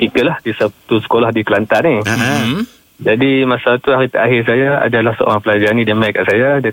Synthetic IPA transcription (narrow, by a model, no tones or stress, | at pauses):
t̪ikəlahdisəp̚t̪usə̥kolahdikəlant̪ani | d͡ʒadimasalat̪uaɾit̪aʔaɦɪrs̬ajaa̰dalahsəo̰ɾaŋpəlad͡ʒanĩdəmajkaʔsajada